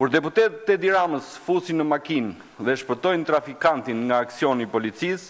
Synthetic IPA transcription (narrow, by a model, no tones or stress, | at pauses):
kuɾd̪ɛput̪ɛt̪ət̪ɛd̪iɾaməsfusinəmakin | ðɛʃpət̪ɔjnt̪ɾafikant̪inŋɡaːksiɔnipɔlit͡sis